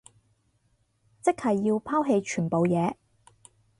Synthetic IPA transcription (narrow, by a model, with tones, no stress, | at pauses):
t͡sɪ˥k̚hɐ˨jːiː˧wpʰaː˥wɦe˧jt͡ʃʰyː˨˩po˨wjɛː˨˧